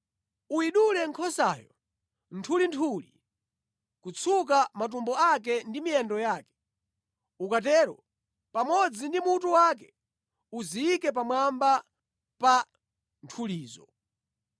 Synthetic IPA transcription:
uiɗulɛŋkʰɔsajɔ̰ | ntʰulintʰulḭ | kut͡sʰuk̬amat̬umbɔak̬ɛndimijɛndɔjaːkɛ̥ | ukatɛːɾɔ̰ | pamɔd͡zindimutuwak̬ɛ | uziikɛpamwamba | pa | ntʰuliːzɔ̰

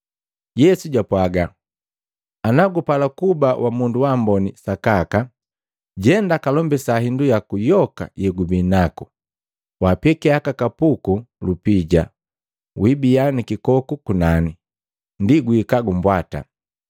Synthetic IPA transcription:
jɛsuɟapwaɡa | anaɡupalakubawʔamunduwambɔnisakaka | ɟɛndakalɔmbɛsaɦindujakujɔka̰jɛɡubinaku | wapɛkɛakakapukulupiɟa | wibijanikikɔkukunani | ndiɡwːkaɡumbwata̰

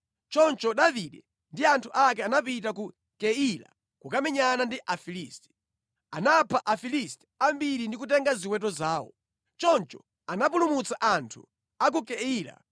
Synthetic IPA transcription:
t͡ʃɔnt͡ʃɔɗaviɗɛ | ndiantʰuʔak̬ɛanapitak̬u | kɛila̰ | kukamɛɲanandiʔafiliːstɛ̥ | anapʰaʔafilistɛ̥ambiɾindikutɛŋɡaziwɛt̬ɔzaːwɔ̰ | t͡ʃɔnt͡ʃɔ̥ | anapulumut͡saʔantʰṵ | ak̬ukɛiːla̰

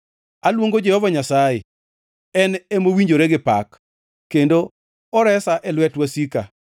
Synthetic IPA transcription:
alwoŋɡod͡ʒɛhɔvaɲasaje | ɛnemowiɲd͡ʒoɾeɡɪpak | kːendo | ɔɾɛsaʔɛlwɛtwasika

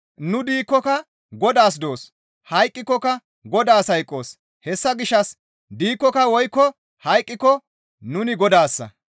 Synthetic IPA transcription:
nʊd̪iːkːɔkɐ | ɡɔd̪aːs̬d̪o̞ːs | hɐjkʼːɪkːɔkɐ | ɡɔd̪aːsɐjkʼːo̞ːs | hɛsːɐɡɪʃːɐs | d̪iːkːɔkɐwɔjkːɔ | hɐjkʼːɪkːɔ | nʊnɪɡɔd̪aːsːɐ̰

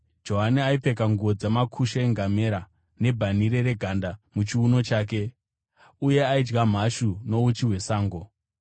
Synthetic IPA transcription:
d͡ʒo̞ɦaniaipe̞kaŋɡuo̞d͡zamakʰuʃeeŋɡame̞ɾa | ne̞bʱaniɾe̞ɾe̞ɡʱandamut͡ʃiuno̞t͡ʃaːk̬e̞ | uje̞aid͡ʒɡam̤aʃuno̞ut͡ʃiɦwe̞saːŋɡo̞

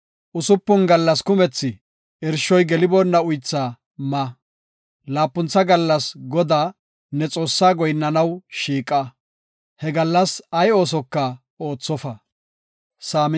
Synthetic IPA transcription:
ʔʊsʊpːʊnɡɐlːɐskʊmɛt͡sːɪ | ɪɾʃɔjɡɛlɪbɔnːɐʊjt͡sːaː | mɐ | laːpːʊnt͡sːɐɡɐlːɐsɡɔd̪aː | nɛt͡sʼo̞ːsːaːɡɔjnːɐnɐwʃiːkʼːɐ | hɛɡɐlːɐsɐjo̞ːs̬ɔkːɐ | o̞ːt͡sːɔfɐ | saːm

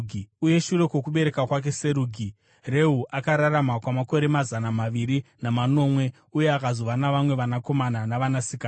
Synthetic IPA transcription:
ɡʱiuje̞ʃure̞kwo̞kuɓe̞ɾe̞kakwak̬e̞se̞ɾuːɡʱi | re̞ɦuʔakaɾaramakwamako̞ɾe̞mazanamaʋiɾinamano̞mwe̞ | uje̞akazoʋanaʋamwe̞ʋanako̞mananaʋanasikaː

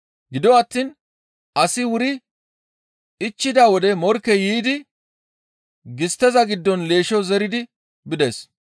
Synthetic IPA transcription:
ɡɪd̪ɔɐt̪ːiːn | ʔɐsɪwʊɾɪ | ɪt͡ʃːɪd̪aːwɔd̪ɛmɔɾkːɛjiːd̪ɪ | ɡɪst̪ːɛzɐɡɪd̪ːɔnle̞ːʃɔzɛɾɪd̪ɪ | bɪd̪es

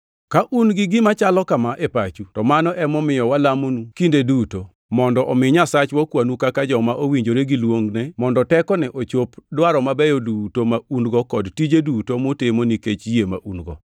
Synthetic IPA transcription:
kaʔunɡɪɡɪmat͡ʃalɔkamaʔepat͡ʃutɔmanɔʔɛmɔmɪjɔwalamonukindeduto | mɔndɔʔɔmɪɲasat͡ʃwɔkwanukakad͡ʒɔmaʔowiɲd͡ʒoɾeɡilwoŋɡnɛmɔndɔtɛkɔnɛʔot͡ʃopdwaɾɔmabɛjɔdutomaunɡɔkɔdtid͡ʒedutomʊtemoniket͡ʃjema̰ʔunɡɔ̰

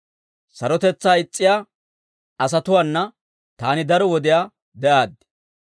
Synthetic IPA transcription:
sɐɾɔt̪ɛt͡sːaːɪt͡sʼːɪjaː | ɐs̬ɐt̪ʊwaːnːɐ | t̪aːnɪd̪ɐɾɔwɔd̪ɪjaː | d̪ɛʔaːd̪

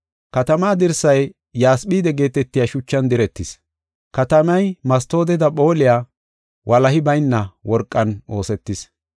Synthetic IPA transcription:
kɐt̪ɐmaːd̪ɪɾsɐjː | aːsɓiːd̪ɛɡe̞ːt̪ɛt̪ːɪjaʃʊt͡ʃːɐnd̪ɪɾɛt̪ːɪs | kɐt̪ɐmɐjmɐst̪o̞ːd̪ɛd̪ɐpʼo̞ːlɪjaː | wʔɐlɐhɪbɐjnːɐwɔɾkʼːɐno̞ːsɛt̪ːɪs

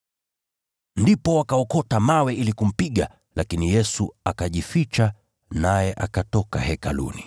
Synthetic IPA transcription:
ndipɔwakaɔkɔtamawɛilikum̩piɠa | lʔakinijɛsuakaʄifit͡ʃa | najɛʔakatɔka̰hɛka̰lṵni

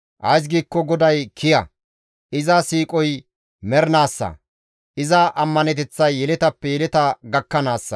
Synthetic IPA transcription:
ʔɐjs̬ɡiːkːɔɡɔd̪ɐjkʰɪjɐ | ʔɪzɐsiːkʼɔj | mɛɾnaːsːɐ̰ | ʔɪzɐʔɐmːɐnɛt̪ɛt͡sːɐjːɛlɛt̪ɐpːɛjɛlɛt̪ɐɡɐkːɐnaːsːɐ̰

